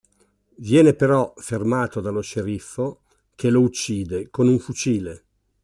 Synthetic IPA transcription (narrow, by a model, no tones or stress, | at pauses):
vjɛːnepeɾɔfermaːt̪od̪aloʃeɾifːo | k̟elout͡ʃːiːd̪ekonuɱfut͡ʃiːle